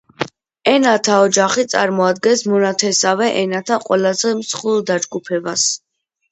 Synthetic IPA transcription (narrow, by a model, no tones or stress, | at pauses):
ɛnat̪ʰaɔd͡ʒaχit̪sʼa̰ɾmɔad̪ɡɛnsmɔnat̪ʰɛsavɛʔɛnat̪ʰaqʼwɛlazɛmsχulˠd̪ad͡ʒɡupʰɛbas